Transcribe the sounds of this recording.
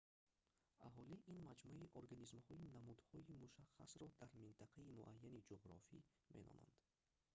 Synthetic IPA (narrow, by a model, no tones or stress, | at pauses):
a̰ɦɔliʔinmad͡ʒmuiʔoɾɡanizmhɔinamud̪hɔimuʃaχːa̰sɾɔd̪aɾmint̪aqʰaimuʔajːanid͡ʒoʁɾɔ̰fḭ | mʔḛnɔ̰na̰nd̪̥